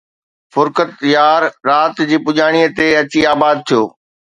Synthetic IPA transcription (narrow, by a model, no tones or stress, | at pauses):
fʊɾkət̪jaːɾɾaːt̪d͡ʑiːpʊʄaːɽ̃iːət̪eɐt͡ɕiaːbaːd̪̚t̪ʰijoː